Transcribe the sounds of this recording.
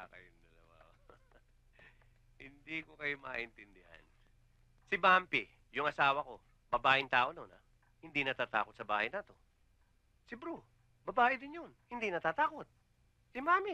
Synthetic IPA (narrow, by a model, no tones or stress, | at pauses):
akɐ̰joŋd̪ɐlɐ̰wa̰ʔo | hɪnd̪iːkokɐjomɐʔɪnt̪ɪnd̪ɪha̰n | sɪbampɪ | jʊŋɐsaːwɐko̞ | bɐbaːʔɪnt̪aːʔo̞nona | hɪnd̪inɐt̪aːt̪a̰ːko̞t̪sɐba̰ːhɐjnat̪o̞ | sɪbɾu | bɐbaːʔɪd̪ɪnjonhɪnd̪inɐt̪aːt̪aːko̞t̪̚ | sɪmaːmɪ